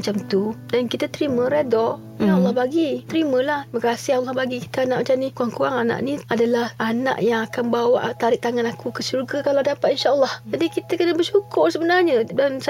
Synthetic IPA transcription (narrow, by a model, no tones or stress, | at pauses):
at͡ʃamt̪udankit̪at̪ɾimə̃ɾedɔ | jalːɑhbaɡit̪əɾimə̃lahbəkasɪhalːɑhbaɡiki̥t̪aanaʔmat͡ʃamnikuaŋkuwaŋana̰ʔniadalahana̰ʔjaŋakanbawa̰ʔt̪aɾɪʔ̚t̪aŋanakʰukəsurɡakaladapat̪̚inʃaʔəlːɔhd͡ʒadikit̪akənabərʃukʊrsəbənarɲadans